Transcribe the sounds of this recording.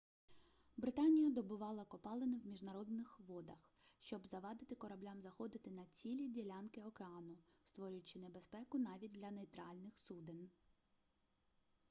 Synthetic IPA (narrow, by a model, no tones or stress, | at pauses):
bɾɪt̪ɑnʲijɐd̪ɔbʊʋɑlˠɐkɔpɑlˠenɪwmʲiʒnɐɾɔd̪nɪxʋɔd̪ɐx | ʃt͡ʃɔbzɐʋɑd̪ɪt̪ɪkɔɾɐblʲamzɐxɔd̪ɪt̪ɪnɐt͡sʲilʲidʲilʲankɪɔkeɑnʊst̪ʋɔɾʲʊjʊt͡ʃɪnebe̞spɛkʊnɑʋʲit̚ʲd̪ʲlʲɐnejt̪ɾɑlʲnɪxsud̪ɪn